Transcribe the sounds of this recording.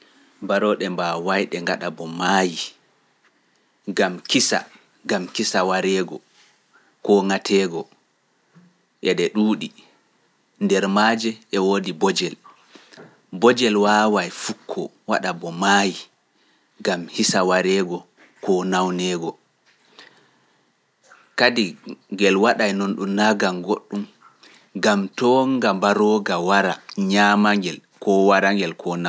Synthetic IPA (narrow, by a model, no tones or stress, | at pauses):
baɾɔɗɛmbawajɗɛŋɡaɗabɔmaji | ɡamkisa̰ | ɡamkisawaɾɛɡɔ̰ | kɔŋatʰɛːɡɔ | ʔɛɗɛɗuːɗi | ndɛɾmaːd͡ʒɛʔɛwodibɔd͡ʒɛl | bɔd͡ʒɛlwaːwajfukʰːɔ̰ | waɗabɔmaːji | ɡamhisawaɾɛɡɔ | kɔnawnɛːɡɔ | kadiŋɡɛlwaɗajnonɗumnaɡaŋɡoɗːum | ɡamtɔŋɡambaɾɔːɡawaɾaɲamaŋɡɛlkɔwaɾaŋɡɛlkʰɔna